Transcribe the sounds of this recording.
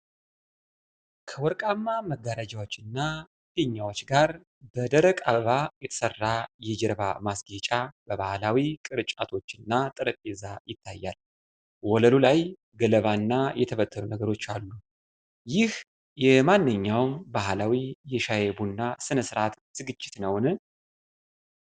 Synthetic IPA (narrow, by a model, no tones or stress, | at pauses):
kʰəwɔɾkʼamːaməɡːaɾad͡ʒawot͡ʃːɪnːa | d̪eɲːawo̞t͡ʃːɡaɾ | bəd̪əɾəkʼaβajɛt̪ʰə̥sərːajɛd͡ʒɛɾba̰masɡet͡ʃʼab̥əβahlawikʼɨɾɨt͡ʃʼat̪ʰo̞t͡ʃːɨnːat̪ʼɨɾəpʼezajɪt̪ʰːajːal | wɔləlulaj | ɡələβanːajɛt̪ʰəfət̪ʰːəɾunəɡəɾo̞t͡ʃːalːu | jɪh | jɛmanːɨɲːawmbahlawijɛʃajebunːasɨnəsɨɾat̪ːɨɡɨt͡ʃʼːɪt̪nəwnɨ